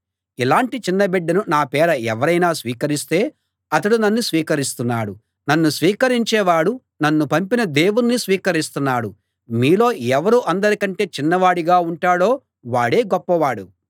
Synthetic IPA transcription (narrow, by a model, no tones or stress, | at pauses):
ilaːɳʈit͡ʃinːɐbeɖːɐnunaːpɛːɾɐɛʋɐɾɐjnaːsʋiːkɐɾist̪e̞ː | ɐt̪ɐɽunɐnːusʋiːkɐɾist̪unːaːɽu | nɐnːusʋiːkɐɾiɲt͡ʃɛːʋaːɽu | nɐnːupɐmpinɐd̪e̞ːwunnːisʋiːkɐɾist̪unːaːɽu | miːlo̞ːɛʋɐɾuʔɐnd̪ɐɾikɐɳʈe̞ːt͡ʃinːɐʋaːɽiɡaːuɳʈaːɽo̞ː | ʋaːɽeːɡɔpːɐʋaːɽu